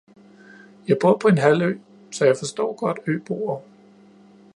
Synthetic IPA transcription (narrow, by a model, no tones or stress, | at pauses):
jɑ̈ɪb̥o̝ɐ̰pʰɒ̽e̝nɦæl̰ø̰ː | sɒjɑ̈ɪfɒ̽sd̥ɒ̰ːɡ̥ɒ̽d̥ø̰ːb̥o̝ːɐ